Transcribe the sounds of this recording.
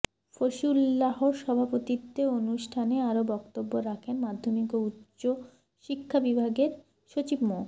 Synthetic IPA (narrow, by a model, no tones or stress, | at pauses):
foʃulːaɦoʃɔbʱapot̪it̪ːeonuʃʈʰaneaɾobɔkt̪obːoɾakʰenmad̪ʱːomikoutːɕo | ʃikʰːabibʱaɡeɾ | ʃot͡ɕibmo